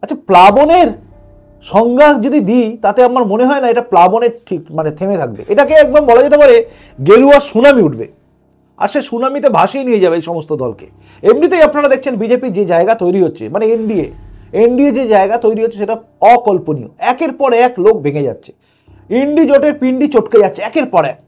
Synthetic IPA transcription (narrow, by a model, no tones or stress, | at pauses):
at͡ɕʰaplaboneɾ | ʃɔŋɡad͡ʑod̪id̪ijt̪at̪eamaɾmoneɦɔenaeʈaplaboneɾʈʰikmanet̪ʰemet̪ʰak̚bḛʔeʈakeɛk̚d̪ombɔlad͡ʑet̪̬epaɾe | ɡeluaʃunamiuʈbḛ | a̰ɾʃeʃunamit̪̬ebʱaʃejnijed͡ʑabeejʃɔmost̪od̪ɔlkḛ | ebnit̪ejapnaɾad̪ek̚ʰt͡ɕʰenbid͡ʑepiɾd͡ʑed͡ʑaeɡat̪ojɾiɦotːɕʰḛmaneeɳɖieeɳɖied͡ʑed͡ʑaeɡat̪ojɾiɦotːʰeʃeʈa | ɔkɔlponḭo̰ɛkeɾpɔɾeɛklok̚bʱeŋed͡ʑa̰tːɕʰe̥ | iɳɖid͡ʑoʈeɾpiɳɖit͡ɕoʈked͡ʑatːɕʰeɛkeɾpɔɾɛ̰